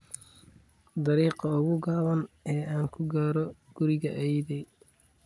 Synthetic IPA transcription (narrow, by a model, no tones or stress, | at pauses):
d̪ɐɾiːqɐʊɣʊɡaːβɐnʔɛːaːŋkʰʊɡaːɾɔɡ̥ʊɾɪɣɐʔɛjðɛj